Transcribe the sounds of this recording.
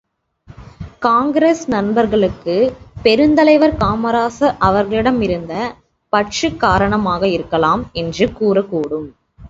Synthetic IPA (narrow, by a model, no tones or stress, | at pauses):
kaːŋɡɾesnɐnbɐɾɣɐɭɯkːɯpɛɾɯnd̪ɐlɐɪʋɐɾkaːmɐɾaːsɐʔɐʋɐɾɣɐɭɪɽɐmɪɾɯnd̪ɐ | pɐʈt͡ʃɯkːaːɾɐɳɐmaːɣɐɪɾɯkːɐlaːmɛndrɯkuːrɐkːuːɽɯm